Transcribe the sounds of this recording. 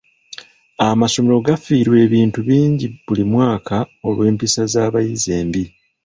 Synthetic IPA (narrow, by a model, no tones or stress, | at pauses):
amaso̞me̞ɾo̞ɡafiːɾwe̞ːβiːntuβiːɲɟibulimwaːkʰao̞lwe̞ːmpisazaːβajize̞ːmbi